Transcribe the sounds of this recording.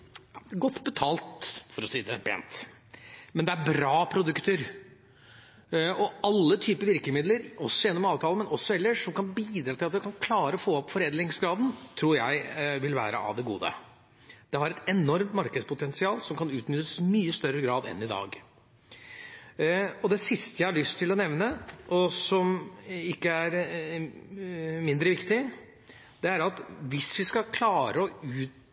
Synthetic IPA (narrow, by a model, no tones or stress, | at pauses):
ɡɔt̪ːbət̪ʰɑːlt̪fɔɾɔsiːd̪ɛpʰḛːnt̪ | mɛnd̪ɛæɾbɾɑːpʰɾʊd̪ʉkt̪əɾ | ɔɑlːət̪ʰyːpəʋɪɾkəmɪd̪ləɾɔsːɔjɛnːɔmɑːʋt̪ʰɑːləmɛnʔɔsːɔɛlːəʂːɔmkɑnbiːd̪ɾɑːt̪ɪlɑt̪ʋɛkʰɑnkʰlɑːɾəɔfoːɔpfɔɾeːd̪lɪŋsɡɾɑːd̪n̩t̪ʰɾuːɾjæɪʋɪlʋæ̰ːɾəʔɑ̰ʋd̪ɛɡuːd̪ə̰ | d̪̥ɛhɑɾɛt̪ɛnɔɾmt̪mɑɾkəd̪spʰʊt̪ʰɛnsɪɑːlsɔmkɑnʉːt̪nʏt̪ːəsmyːəst̪œɾːəɡɾɑːd̪ɛ̰nːɪd̪ɑ̰ːɡ | ɔd̪ɛsɪst̪əjæɪhɑɭʏst̪ʰːɪlɔnɛʋnəʔɔsɔmɪkːəæɾ | mɪnd̪ɾəʋɪkt̪ɪ | d̪̥ɛæɾɑt̪ʋɪsʋɪskɑkʰlɑːɾəɔʉːt̪̚